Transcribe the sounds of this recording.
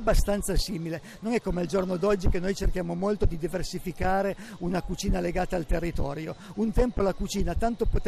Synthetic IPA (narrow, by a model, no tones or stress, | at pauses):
bːast̪ant̪sasiːmile | nonɛkːomeald͡ʒornod̪ɔd͡ʒːikenːojt͡ʃerk̟jaːmomolt̪od̪id̪iversifikaːɾe | unakut͡ʃiːnaleɡaːt̪aːlt̪erːit̪ɔ̰ːɾjount̪ɛmpolakut͡ʃiːnat̪ant̪opot̪